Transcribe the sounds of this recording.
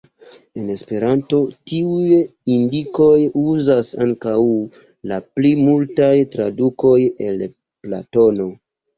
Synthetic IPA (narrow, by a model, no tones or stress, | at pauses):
e̞ne̞spe̞ɾanto̞tiujindiko̞juzasaŋkaw | laplimultajtɾa̰duko̞je̞l | pla̰to̞no̞